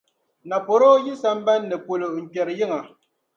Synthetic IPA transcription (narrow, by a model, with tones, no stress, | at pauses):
na˨po˨ɾo˦ji˦sa˦m˦ba˦nːɛ˨po˨lo˨ŋ̩˨kɛ˨ɾji˦ŋa˨